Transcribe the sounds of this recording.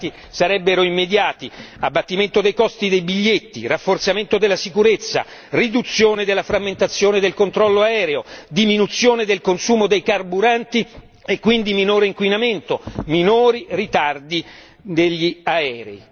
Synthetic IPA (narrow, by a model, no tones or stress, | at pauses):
t̪i | saɾɛbːeɾoimːed̪jaːt̪iabːat̪ːiment̪od̪ejkɔst̪id̪ejbiʎːet̪ːḭrafːort̪sament̪od̪elːasikuɾet̪sːa̰ | rid̪ut̪sːjoːned̪elːafɾamːent̪at̪sːjoːned̪elkont̪ɾɔlːoaɛːɾeod̪iminut̪sːjoːned̪elkonsuːmod̪ejkarbuɾant̪i | ekːwind̪iminoːɾeiŋkwinament̪ominoːɾirit̪ard̪i | d̪eʎːiaɛːɾḛi